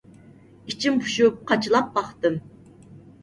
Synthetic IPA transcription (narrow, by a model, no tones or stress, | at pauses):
it͡ʃʰimpʰu̥ʃup̚qʰɑt͡ʃʰɨlˠɑp̚bɑχt̪ɨm